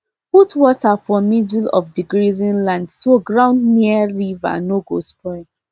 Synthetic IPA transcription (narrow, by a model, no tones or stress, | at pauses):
futwɔtafɔmidlɔ̰fdiɡɹizĩnlãndsoɡɹãʊ̃ndniɹiva̰noɡospʰɔɪ